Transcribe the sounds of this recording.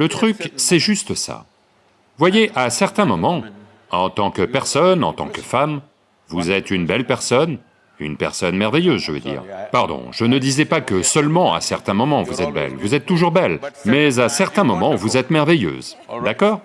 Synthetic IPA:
lət̪χyksɛʒyst̪əsa̰ | vwajeʔasɛʁt̪ɛ̃mɔmɑ̃ | ɑ̃t̪ɑ̃kəpɛʁsɔnɑ̰̃t̪ɑ̰̃kəfam | vuzɛt̪ynbɛlpɛʁsɔn | y̰npɛ̰ʁsɔnmɛʁvɛjøzʒəvə̰d̪ḭːʁpaʁd̪ɔ̰̃ʒ̥ənəd̪izɛpakəsœlmɑ̃a̰sɛʁt̪ɛ̃mɔmɑ̃vuzɛt̪̚bɛ̰lvuzɛt̪ːuʒuʁbɛlmɛzasɛʁt̪ɛ̃mɔmɑ̃vuzɛt̪mɛʁvɛjø̰ːzd̪akɔːʁ

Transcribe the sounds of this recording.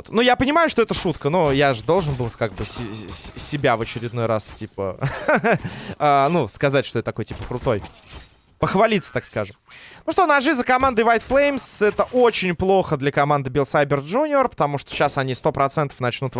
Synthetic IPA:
t̪nujapənʲɪmajʊʂt̪oɛt̪əʂut̪kənojaʐɨd̪o̞lˠʐɨnbɨlˠkaɡ̚bɨsʲɪsʲɪbʲavət͡ɕɪɾʲɪd̪no̞jɾastʲipə̰ | anuskɐzatʲʂt̪oɛt̪ɐkojtʲipəkɾʊt̪o̞j | pəxvɐlʲit̪sə̥t̪akskaʐɨmnuʂt̪onɐʐɨzəkɐmand̪ɨvajt̪flˠejmsɛt̪əʔot͡ɕɪnʲplˠo̞xəd̪lʲɐkɐmand̪ɨbʲɪlˠsajbʲɪrʐunʲɪorpə̥t̪ɐmuʂt̪oɕːasɐnʲist̪o̞pɾɐt̪sɛnt̪əfnɐt͡ɕnut̪

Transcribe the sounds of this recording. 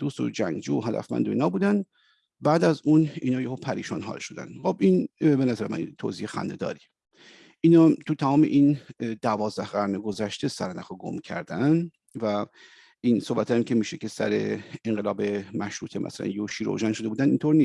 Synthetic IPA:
d̪uːst̪o̰d͡ʒæŋɡd͡ʒuːoɦæd̪æ̰fmæ̰nd̪oiːnɒːbuːd̪æn | bæːd̪æzuːninɒːjehopʰæɾḭʃɒːnɦɒ̰ːlʃod̪æ̰nxobinbe̞næzæɾemæ̰nt̪ʰo̰ziːexæ̰nd̪e̞d̪ɒ̰ːɾi | ʔiːnɒːt̪ʰut̪ʰæmɒːmeʔind̪ævɒːzd̪æhɡæɾneɡo̞zæʃt̪esæ̰ɾnæxoɡo̰mcʰæ̰ɾd̪æn | væ | insohbæt̪ʰæmcʰʲemiːʃecʰe̞sæ̰ɾe̞̰eŋɢelɒːbemæʃɾuːt̪ʰemʔæ̰sælæ̰njoʃiːɾo̰ʒænʃod̪eud̪ænd̪int̪ʰoɾniːs

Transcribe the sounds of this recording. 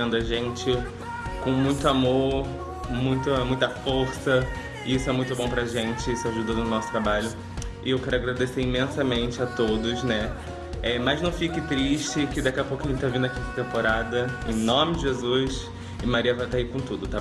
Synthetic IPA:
nd̪ʊɐʒẽnt͡ʃɪ | kõw̃mũj̃t̪ʊamo | mũj̃t̪ɐmũj̃t̪ɐfoɾsɐ | ɪisʊɛmũj̃t̪ʊbõpɾɐaʒẽnt͡ʃɪisʊaʒud̪ɐʊnɔsʊt̪ɾabaʎʊ | ɪewkɛɾʊaɡɾad̪eseɾimẽsɐmẽnt͡ʃɪat̪od̪ʊʃnɛ | ɛmɐznɐ̃w̃fikɪt̪ɾiʃt͡ʃɪkɪd̪akɛɐpowkɐʒẽt͡ʃɪt̪avĩd̪ʊɐakĩkɐt̪ẽmpoɾad̪ɐẽnõmɪd͡ʒɪʒezus | ɪmaɾiɐvajt̪aikõt̪ud̪ʊt̪a

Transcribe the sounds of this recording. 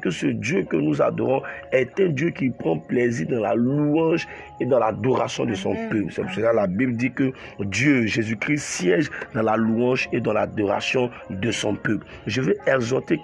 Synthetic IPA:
kəsəd̪jøkənuza̰d̪ɔʁɔ̃ɛt̪ɛ̃d̪jøkipχɑ̃pleziʁd̪ɑ̃la̰luɑ̃ʒ | ed̪ɑ̃lad̪ɔʁa̰sjɔ̃d̪əsɔ̰̃pøplsɛpsəlalabibld̪ikəd̪jøʒezykʁisjɛʒd̪ɑ̃laluɑ̃ʒed̪ɑ̃lad̪ɔʁa̰sjɔ̃ | d̪əsɔ̃pøpl | ʒəvɛɛɡzɔʁt̪e

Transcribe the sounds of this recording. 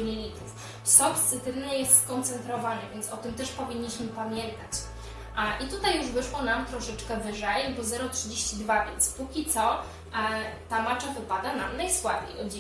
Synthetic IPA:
ɲʲeɲʲit̪uf | sɔt̪t̪sɘt̪ɘvnɛjɛst̪skɔnt̪sɛnt̪ɾɔvanɛvʲjentsɔt̪ɘmt̪ɛʂpɔvʲiɲːiɕmɘpamʲjɛnt̪at͡ɕ | ʔit̪ut̪ajːuʐvɘʂwɔnamt̪ɾɔʂɛt͡ʂkɛvɘʐɛjbɔzɛɾɔtʂɘd͡ʑeɕt͡ɕid̪vavʲjɛ̰nt̪spukʲit̪sɔ | t̪amat͡ʂavɘpad̪ana̰mnajswad̪ɲḛjɔ̰d͡ʑ

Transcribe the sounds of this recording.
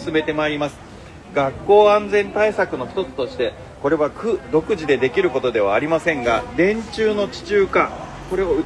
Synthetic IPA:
sɨme̞t̪e̞maiɾʲimasɨ̥ | ɡakːo̞ːãnd͡zẽ̞nt̪aisakɯ̟no̞çʲi̥t̪o̞t͡sɨ̥t̪o̞ɕi̥t̪e̞ | ko̞ɾe̞βakɯ̟d̪o̞kɯ̟ʑid̪e̞d̪e̞kʲiɾɯ̟ko̞t̪o̞d̪e̞βaːɾʲimasẽ̞ŋɡa̰d̪ẽ̞ɲ̟t͡ɕɨːno̞t͡ɕi̥t͡ɕɨːka | ko̞ɾe̞oɯ̟

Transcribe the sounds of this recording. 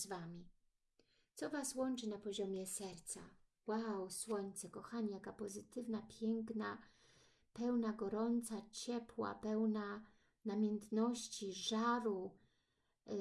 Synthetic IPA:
zvamʲi | t̪sɔvaswɔnt͡ʂɘnapɔʑɔmʲjɛsɛɾt̪sa̰ | wawswɔɲt̪sɛkɔxaɲijakapɔzɘt̪ɘvnapʲjɛŋkna | pɛwnaɡɔɾɔnt̪sat͡ɕɛpwa̰pɛwna | namʲɛnt̪nɔɕt͡ɕiʐaɾu

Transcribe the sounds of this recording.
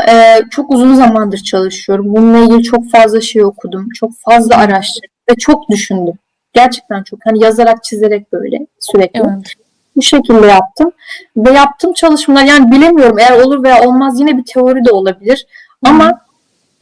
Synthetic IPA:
ɛːt͡ʃʰo̞kuzunzamand̪ɯɾt͡ʃʰalˠɯʃɯjo̞ɾumbununːˠailɟʲilʲit͡ʃʰo̞kfazlˠaʃe̞jo̞kʰud̪umt͡ʃʰo̞k̚fazlˠaaɾaʃt̪ʰɯɾɯvɛt͡ʃʰo̞kd̪yʃynd̪ym | ɟ̥æɾt͡ʃʰɛ̥c̚t̪ʰænt͡ʃʰo̞khanijazaɾak̚t͡ʃʰize̞ɾɛc̚b̥ø̞̰jlʲɛ̰syɾɛclʲii | buʃe̞cʰilʲd̪ɛjap̚t̪ʰɯmvɛjap̚t̪ʰɯmt͡ʃʰalˠɯʃmalˠaɾjaːnibilʲe̞mijo̞ɾume̞jæɾo̞lˠuɾvejaːo̞lˠmazjinɛbit̪ʰe̞o̞ɾid̪ɛo̞lˠabilʲiɾ̥ | ama

